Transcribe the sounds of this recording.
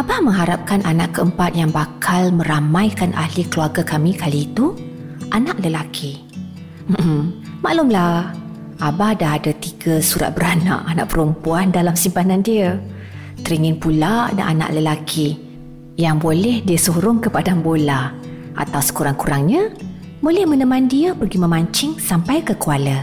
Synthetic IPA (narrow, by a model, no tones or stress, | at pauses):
ʔabamə̃ŋɦaɾap̚kanʔanaʔkəəmpat̪̚jaŋbakʰalmə̃ɾamãjkanʔa̰hlikəluarɡakamikaliːt̪u | ʔanaʔləlakʰi | m̩əm̩ | ma̰ʔlʊmlah | abadaɦadat̪iɡasuɾa̰t̪̚bəɾanã̰ʔana̰ʔpəɾumpuandalamsimpanandiə | t̪əɾiŋɪnpulaʔda̰ʔa̰nã̰ʔləlakʰi | jaŋbolɛhdiəsoɾʊŋkəpadambola | ʔa̰t̪awsə̥kuɾaŋkuɾaŋɲə̃ | bolɛhmə̃nəmãndiəpərɡimə̃maɲt͡ʃɪŋsampajkəkualə